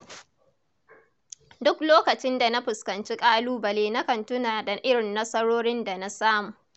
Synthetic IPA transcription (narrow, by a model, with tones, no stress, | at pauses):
dʊ˦kloː˦kɐ˨t͡ʃɪ˦nda˨na˦ɸʊ˨skɐ˨nt͡ʃi˦kʼaː˦luː˦bɐ˨leː˦na˦kɐ˨ntʊ˦naː˨dɐ˨ʔɪ˦ɽɪ˨nːɐ˦sɐ˦ɽoː˦ɽɪ˦nda˨na˦saː˦muː˨ʔ